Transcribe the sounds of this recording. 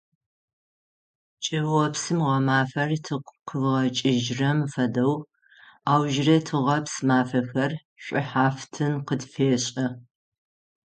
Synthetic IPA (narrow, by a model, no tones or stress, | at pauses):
t͡ʃʼɐɐpsɨmʁɐmaːfɐrtʰɨqqʰəvʁɐt͡ʃʼɪʒrɐmfɐdɐw | aːwʒrɐtʰɨʁɐpsmaːfɐxɐr | ɕʷʼʊħaːftʰɨnqədfeːɕʼɐ